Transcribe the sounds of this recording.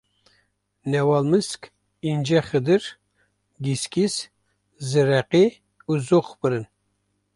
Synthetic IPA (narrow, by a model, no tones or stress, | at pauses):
nɛwɑlˠmɨskʲ | ind͡ʒɛχɨd̪ɨɾ | ɡʲiskʲis | zɨɾɛqi | uzoχbɨɾɨn